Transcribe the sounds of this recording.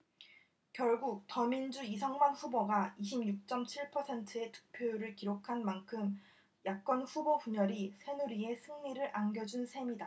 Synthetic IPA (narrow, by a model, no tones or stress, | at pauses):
kjʌɭɡuk̚tʌmind͡ʑuisʰʌŋmanɸuboɡaiɕ̬ʰimɲuk̚t͡ɕ͈ʌmt͡ɕʰiɭpʰʌsʰe̞ntʰɯe̞tɯ̥k̚pʰjojɾɯɭkiɾokʰanmankʰɯm | jak̚k͈ʌnɸuboɸuɲʌɾisʰe̞nuɾie̞sʰɯŋɲiɾɯɾʔanɡjʌd͡ʑunsʰe̞mida